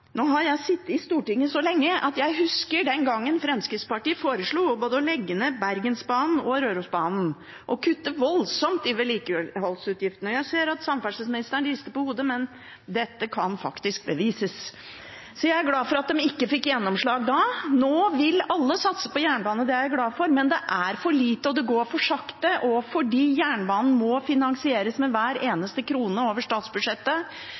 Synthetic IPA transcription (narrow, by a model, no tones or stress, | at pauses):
noːhɑɾjæɪsɪt̪ːɪst̪uːʈɪŋːəsɔlɛŋːəʔɑ̰t̪jæɪɦʉskəɖɛnɡɑŋːənfɾɛmskɾɪt̪spɑʈiːəfoːɾəʂɭuːboːd̪əɔlɛɡːənəbæɾɡənsbɑːnn̩ɔɾøːɾʉsbɑːnn̩ | ʔɔkʰʉt̪ːəʋɔlsɔmt̪ɪʋɛliːkəɦɔlsʉːt̪jɪft̪nɔjæɪseːɾɑt̪sɑmfæʂəsmɪnɪst̪əɳliːst̪əpɔhuːd̪əmɛn | d̪ɛt̪ːəkʰɑnfɑ̰kt̪ɪsk̚bəʋiːsəs | sɔjæɪæɡlɑːfɔɾɑt̪̚d̪ɛmɪkːəfɪkːjɛnːɔmʂɭɑːɡd̪ɑnoːʋɪlɑlːəsɑt̪sə̥pɔjæːɳbɑːnəd̪ɛjææɡlɑːfɔɾmɛnd̪ɛʔæɾfɔɭiːt̪əɔd̪ɛɡoːɾfɔʂɑkt̪əʔɔfɔɖiːjæːɳbɑːnn̩mɔfɪnɑŋsɪeːɾəsmɛʋæːɾeːnəst̪əkʰɾuːnəoːʋəʂt̪ɑːt̪sbʉd̪ʂɛt̪ːə